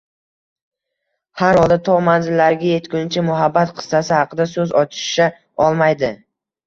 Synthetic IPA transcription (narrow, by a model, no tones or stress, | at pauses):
haɾɒlˠd̪at̪ʰɒʁmanzɪlːaɾɡʲaje̞t̪kʲʊnt͡ʃʰɪmʊɦabːat̪qʰɨ̥st̪asɪhɑqʰɨd̪asɵzɒt͡ʃʰɪ̥ʃʃa | ɒlˠmajd̪ɪ